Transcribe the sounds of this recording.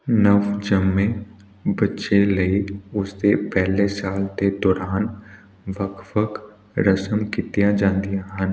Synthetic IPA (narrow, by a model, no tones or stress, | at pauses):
nəʋd͡ʒəmːẽ | bɐtːʃelɐiʊst̪epɛɦlesaːlt̪ed̪ɔːɾaːn | ʋəkʰʋəkʰ | ɾəsəmkɪt̪ijad͡ʒãːnd̪ijaɦən